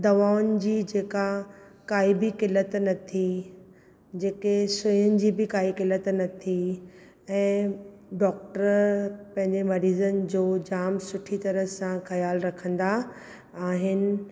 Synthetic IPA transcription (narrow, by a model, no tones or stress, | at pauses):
d̪ɐʋaːʊnɪd͡ʑiːd͡ʑeːka | kaːibɪkɪlət̪nɐt̪ʰi | d͡ʑeːkesʊjənɪ̆d͡ʑiːbɪkaːikɪlət̪nɐt̪ʰi | ɛ̃ː | ɖɔːk̚ʈəɾpɐ̃ɦɪ̃ɲd͡ʑemɐɾiːzənɪ̆d͡ʑoːd͡ʑaːmsʊʈʰit̪ɐɾəsãxɐjaːlɾɐkʰə̃nd̪a | aːɦɪnɪ̆